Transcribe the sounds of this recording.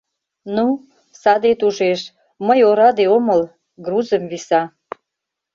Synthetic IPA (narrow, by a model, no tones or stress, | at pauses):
nu | sɑd̪et̪uʒeʃ | məjoɾɑd̪eoməl | ɡruzəmβisɑ